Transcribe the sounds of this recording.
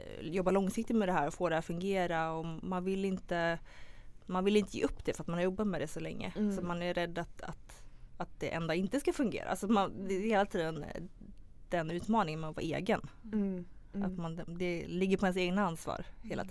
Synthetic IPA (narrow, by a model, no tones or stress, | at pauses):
jɔbːalɔŋsɪk̚t̪ɪt̪mɛd̪ɛɦæːɾɔfoːd̪ɛhat̪fɵŋɡeːɾaɔmanvɪlːɪnt̪ə | manvɪlɪnt̪əjḛːʔɵpːd̪ɛfœɾat̪manhaɾjɔbːat̪mɛd̪ɛsɔlɛŋːə̰sɔt̪manæɾɾɛd̪ːat̪a̰t̪at̪̚d̪̥ɛʔɛ̰nd̪aɪnt̪əskafɵŋɡḛːɾa̰a̰sɔmand̪ɛheːlat̪ʰiːd̪ən | d̪̥ɛnʉ̟ːt̪mɑːnɪŋənmavɑ̰ːɾḛːɡən | a̰t̪mand̪ɛlɪɡːəɾpʰɔɛns̬eːɡnaansvɑ̰ːɾheːla̰t̪